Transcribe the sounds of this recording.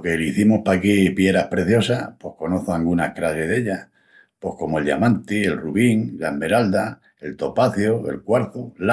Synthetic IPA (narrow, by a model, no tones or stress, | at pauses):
keliθimohpakipjeɾahpɾe̞θjo̞sapo̞hko̞no̞θoaŋɡunahkɾaseɦðe̞ʎa | po̞hko̞moe̞lʝa̰mãnt̪ie̞lruβiŋlame̞ɾald̪a | e̞lt̪o̞paθjoe̞̰lkwaɾθola